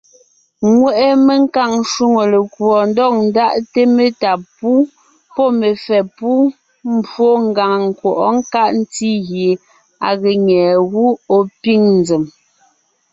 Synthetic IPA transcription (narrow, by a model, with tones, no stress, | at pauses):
ŋwɛ˦ʔe˦me˦ŋ̩˦ka˦˨ŋn˦ʃu˦ŋo˨le˨kwɔ˨n˦dɔ˦˨k̚n̩˨˦da˦˨ʔte˦me˨ta˨pu˦ | pɔ˦˨me˨fɛ˨pu˦ | m̩˦bwo˦ŋ̩˦˨ɡa˨ŋŋ˨kwɔ˨ʔɔ˦ŋ̩˦ka˦ʔn̩˦ti˦ɣje˨ | a̰˨ɣe˨ɲɛː˨ɣu˦o˦pi˦ŋn̩˨d͡ze˨m